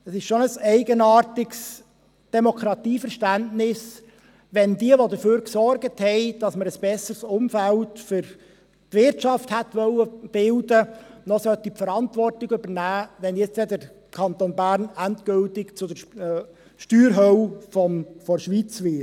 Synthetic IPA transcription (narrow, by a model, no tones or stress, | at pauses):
ɛsɪʃʃonəsɛɪɡənɑːɾtɪks | d̥ɛmokʰɾɑt̪iːfəɾʃtæntnɪs | ʋɛndiəʋod̪əføːɾksɔrɡəthɛɪd̥ɑsməɾəsb̥ɛsəsʊmfæltfʏɾ | tʋɪɾtt͡ʃɑfthæt̪ʋœlːəb̥ɪldənɔsœt̪ːipfəɾɑntʋɔrtɪɡɵbəɾnæːʋɛnjɛt͡sst͡sɛd̪əɾ | kʰɑnt̪oːnbæːɾnæntkɡ̥ʏltɪkt͡sʊdə | ʃtyːɾɦœwfɔmfɔɾʃʋit͡sʋɪ